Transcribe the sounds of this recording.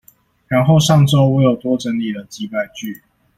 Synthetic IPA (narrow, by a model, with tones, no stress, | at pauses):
ɻa˨˦nxo˥˧ʊʂɑ˥˨˩ŋʈ͡ʂo˥˦ʊwe˧˥˦jo˨˩ʊt̪wɔ˦˥ʈ͡ʂə˧˥nli˨˩d̪ə˩t͡ɕi˧˦pa˥˧ɪt͡ɕy˥˨